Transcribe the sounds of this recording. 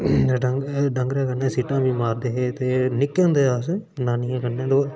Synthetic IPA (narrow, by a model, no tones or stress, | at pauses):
ɖəɡɖəŋɡɾeːkəneːsiːʈãːbĩːmaːɾd̪eːɦeːt̪eːnɪkːẽːnd̪eːaːsnaːniːãːkəɾnẽːd̪oː